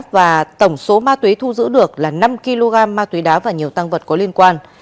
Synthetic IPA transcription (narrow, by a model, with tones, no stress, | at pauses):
t̚vaː˨˩t̪ə˧˩wŋ͡mso˨˦maː˧t̪wi˨˦t̪ʰu˧zɨ̰˧˥ɗɨ˨˩ək̚laː˨˩na˧mki˧lo˧ɣaː˧mːaː˧t̪wi˨˦ɗaː˨˦vaː˨˩ɲi˨˩əwt̪a˧ŋvə˨˩t̚kɔ˨˦li˧ənkwaː˧n